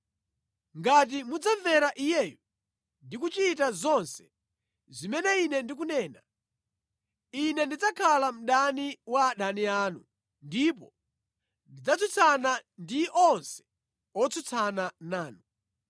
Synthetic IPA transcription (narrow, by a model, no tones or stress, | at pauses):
ŋɡat̬imud͡zaɱvɛɾaʔijɛːju | ndik̬ut͡ʃit̬azɔnsɛ̥ | zimɛnɛinɛndik̬unɛːna | inɛndid͡zakʰalam̩ɗaniwaɗaniaːnṵ | ndipɔ̰ | ndid͡zat͡sut͡sʰanandiʔɔnsɛ̥ | ɔt͡sʰut͡sʰananaːnu